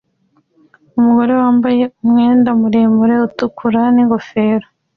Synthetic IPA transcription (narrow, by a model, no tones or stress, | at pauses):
umuɡo̞ɾe̞waːmbaje̞umŋe̞ːndamuɾeːmbuɾe̞utukʰuɾaniŋɡo̞fe̞ːɾo